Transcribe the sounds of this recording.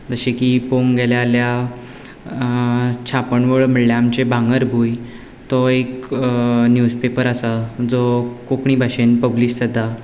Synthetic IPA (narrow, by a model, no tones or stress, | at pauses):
d͡zəɕekipoŋɡɛljalja | t͡ɕʰapəɳʋəɭm̤əɽljaamt͡ɕebʱaŋɡəɾbʱuj | t̪ɔek | njud͡zpepəɾəsad͡zokokɳiːbʱaɕenpəbliːst̪əd̪ʱːa